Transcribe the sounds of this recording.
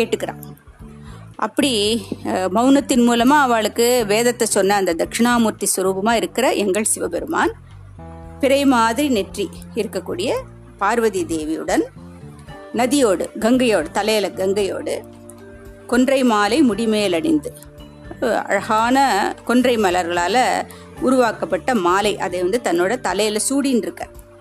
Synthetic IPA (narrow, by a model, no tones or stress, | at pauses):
keːʈːɯkːɪɾã̰ːŋ | ʔɐ̰pːɐɽi | mɐʊnɐt̪ːɪnmuːlɐmaːɐʋaːɭɯkːɯʋeːðɐt̪ːɐsɔnːɐːnd̪ɐd̪ɐkʂɪɳaːmuːɾt̪isʊɾuːbɯmaːɪɾɯkːɪɾɐʔɛŋɡɐɭsɪʋɐbɛɾɯma̰ːn | pɪɾɐɪmaːðɪɾinɛʈriɪɾɯkːɐkːuːɽɪjɐ | paːɾʋɐðid̪eːʋɪjɯ̰ɽɐn | nɐðɪjoːɽɯɡɐŋɡɐjoːɽɯt̪ɐlɐjlɐɡɐŋɡɐjo̰ːɽɯ | kɔndrɐɪmaːlɐɪmʊɽɪmeːlɐɽɪnd̪ɯ | ɐ̰ɻɐɣaːnɐkɔndrɐɪmɐlɐɾɣɐɭaːlɐ | ʊɾʊʋaːkɐpːɐʈːɐmaːlɐɪʔɐ̰ðɐɪʋɐnd̪ɯt̪ɐnːoːɽɐt̪ɐlɐjlɐsuːɽijnɪɾɯkːɐ̰ɾ